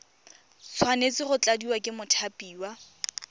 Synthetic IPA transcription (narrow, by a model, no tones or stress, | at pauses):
t͡sʰwanet͡sɪrʊt͡ɬʼadiwakʼɪmʊtʰapʼiːwa